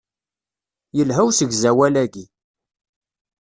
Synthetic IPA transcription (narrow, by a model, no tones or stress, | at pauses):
jəlɦæwsəɡzæwælæɡi